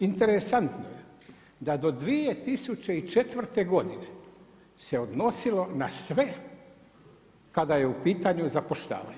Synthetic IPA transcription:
int̪e̞ɾesant̪noje | d̪ad̪o̞d̪ʋijet̪isut͡ɕe̞it͡ʃe̞t̪ʋr̩t̪e̞ɡo̞d̪ine̞ | se̞o̞d̪no̞silo̞nasʋe̞ | kad̪aje̞upiːt̪aɲuzapoʃt̪a̰ːʋa̰ɲo

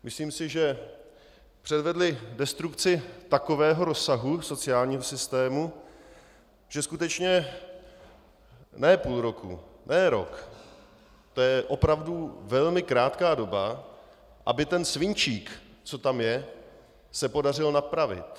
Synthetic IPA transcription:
mʔɪsliːmsɪʒɛ | pr̥ɛdvɛdlɪdɛst̪ɾukt͡sɪt̪ako̞vɛːɦo̞ɾo̞sːaɦuso̞t͡sɪjaːlɲiːɦosɪst̪ɛːmu | ʒ̥ɛskut̪ɛt͡ʃɲɛ | nɛːpuːlɾo̞kʰṵnɛːɾo̰k | t̪ojɛʔo̞pɾavduvɛlmɪkɾaːt̪kaːdo̞ba | ʔa̰bɪt̪ɛnsvɪɲt͡ʃiːkt͡so̞t̪amjɛ | sɛpo̞darɪlnapɾavɪ̰t̪

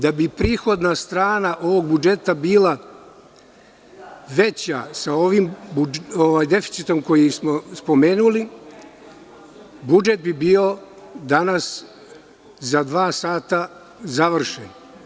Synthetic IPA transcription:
d̪abipɾiːxo̞d̪nast̪ɾaːnaʔo̞ʋo̞ɡ̚bud͡ʒe̞t̪abiːlˠa | ʋe̞t͡ɕa̰sao̞ʋimbuoʋaːjd̪e̞fi̥t̪sit̪o̞mko̞jismo̞spo̞me̞ːnuli | bud͡ʒe̞t̪̚bibiːo̞ | d̪anas | zad̪ʋaːsaːt̪a | zaʋr̩ʃḛn

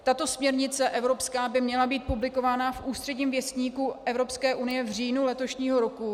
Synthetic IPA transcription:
t̪at̪o̞smɲɛɾɲɪt͡sɛʔɛvɾo̞pskaːbɪmɲɛlabiːt̪̚publɪko̞vaːnafʔuːst̪r̥ɛɟɲiːmvjɛst̪ɲiːkuʔɛvɾo̞pskɛːʔunɪjɛvr̝iːnulɛt̪o̞ʃɲiːɦo̞ɾo̞ku

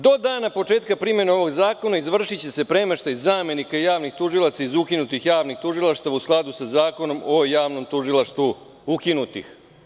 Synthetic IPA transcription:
d̪o̞d̪aːnapo̞t͡ʂeːt̪kapɾime̞neo̞ʋo̞ɡzaːko̞naizʋr̩ʂit͡ɕe̞se̞pɾemeʃt̪aizːaːme̞nikajaːʋnixt̪uʒilˠat̪saizukinut̪ixjaːʋnixt̪uʒilˠaʃt̪aʋausklˠad̪usazaːko̞no̞mojaːʋno̞mt̪uʒilˠaʃt̪ʋu | ukinut̪ḭx

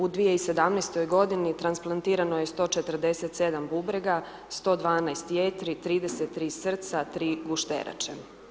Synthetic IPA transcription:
ud̪ʋijeise̞d̪amnɛst̪o̞jɡo̞d̪init̪ɾansplˠant̪iːɾanoje̞st̪o̞t͡ʃet̪r̩d̪e̞set̪sed̪ambubɾeɡa | st̪o̞ːd̪ʋaːnajst̪jet̪ɾit̪ɾiːd̪eset̪ːɾiːsr̩t̪sat̪ɾiːɡuʃt̪ḛɾa̰t͡ʃe

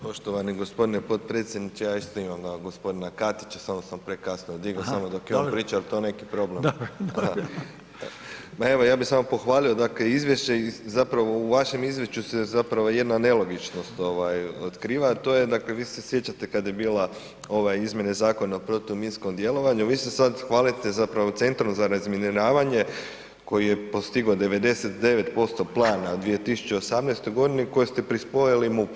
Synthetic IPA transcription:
po̞ʃt̪oʋaniɡo̞spo̞d̪inepo̞t̪̚pɾe̞ːt̪sjed̪nit͡ʃejaːist̪oimamɡ̪aɡo̞spo̞d̪inakat̪i̥t͡ɕḁsamosampɾe̞kasnood̪iɡosamod̪o̞kjeonpɾiːt͡ʃaelt̪one̞ki̥pɾo̞ble̞ma | mae̞ʋo̞jaːbixsamopo̞xʋaːlio̞d̪akle̞izʋje̞ʃeizapɾaʋo̞uʋaʃe̞mizje̞ʃt͡ʃusezapɾaʋoje̞d̪nane̞lo̞ɡit͡ʃno̞st̪o̞ʋajot̪kɾiːʋat̪o̞je̞d̪akle̞ʋiːse̞sje̞t͡ɕat̪e̞kad̪je̞biːla | o̞ʋajizmje̞nezaːko̞naopɾo̞t̪ominsko̞md̪je̞lˠo̞ʋaɲuʋiːsesad̪xʋaːlit̪e̞zapɾaʋot̪se̞nt̪ɾumzaɾazmeniɾaːʋaɲe̞ | ko̞jije̞po̞st̪iɡod̪e̞ʋe̞d̪e̞set̪d̪e̞ʋet̪po̞st̪o̞plˠaːnad̪ʋie̞t̪isu̥t͡ɕe̞osamnest̪ojɡo̞d̪iniko̞jest̪e̞pɾispo̞jalimu

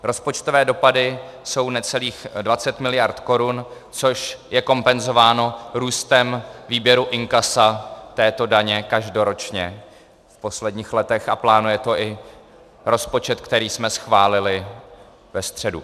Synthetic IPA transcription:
ɾo̞spo̞t͡ʃt̪o̞vɛːdo̞padɪso̞wnɛt͡sɛliːxdvat͡sɛt̪mɪlɪjaɾt̪ko̞ɾun | t͡so̞ʃjɛko̞mpɛnzo̞vaːno̞ɾuːst̪ɛmviːbjɛɾuʔɪŋkasat̪ɛːt̪o̞daɲɛkaʒdo̞ɾo̞t͡ʃɲɛ | fpo̞slɛdɲiːxlɛt̪ɛxaplaːnujɛt̪o̞ʔɪ | ɾo̞spo̞t͡ʃɛt̪kt̪ɛɾiːsmɛsxvaːlɪlɪ | vɛst̪r̝̥ɛdu

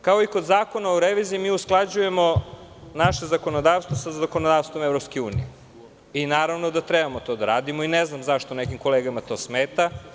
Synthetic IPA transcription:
kao̞iko̞d̪zaːko̞naoɾeʋiziimiːusklˠad͡ʑuje̞mo̞naʃe̞zako̞nod̪aːʋst̪vʋosazakonod̪aːʋst̪ʋomevɾopskeuːnḭje | inaːɾaʋnod̪at̪ɾebamo̞t̪o̞d̪aɾaːd̪imo̞ineznamzaʃt̪o̞nekimko̞leːɡamat̪o̞ːsmeːt̪a

